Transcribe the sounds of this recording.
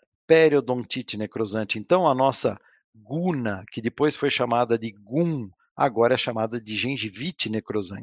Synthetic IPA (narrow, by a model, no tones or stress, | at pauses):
pɛɾjod̪õt͡ʃ̪it͡ʃ̪ɪnekɾozɐ̃nt͡ʃɪẽnt̪ɐ̃w̃ɐnɔsɐ̰ | ɡunɐkɪd̪ɪpojsfojʃamad̪ɐd̪ɪɡũ | a̰ɡɔɾɐɛʃamad̪ɐd̪ɪʒẽʒivit͡ʃɪnekɾozɐ̰̃nt͡ʃɪ̥